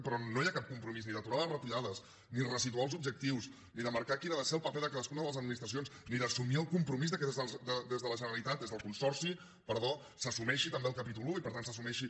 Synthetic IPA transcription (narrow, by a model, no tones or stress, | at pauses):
pɾɔnojakap̚kumpɾumizniðət̪uɾaðərət̪uʎaðəs | nirəsit̪ualˠzub̚ʒək̚t̪iws | niðəməɾkakinaðəseəlˠpəpɛðəkaðəskunəðələzəd̪minist̪ɾəsionsniðəsumiəlˠkumpɾumizðəkɛzəd̪əd̪ezðələʒənəɾəlit̪at̪̚ezðəlˠkunsɔɾsi | pəɾðo | səsumɛʃit̪əmbeəlˠkəpit̪uluipəɾt̪ansəsumɛʃi